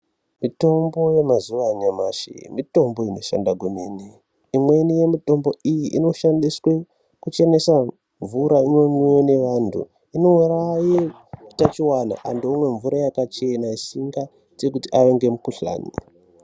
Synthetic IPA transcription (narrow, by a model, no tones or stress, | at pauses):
mito̞mbo̞je̞mazuʋaɲamaʃḭmito̞mbo̞ino̞ʃa̰ndaɡuneni | imwe̞nije̞mito̞mbo̞ijiʔino̞ʃandiswe̞ | kut͡ʃe̞ne̞sa | ɱvuɾaino̞ɲwene̞ʋantʰṵ | ino̞uraji | tat͡ʃiwana̰ʔandomwe̞ɱvuɾajakat͡ʃe̞naisiŋɡa | te̞kutiaʋeŋɡe̞mukuɬa̰ːnḭ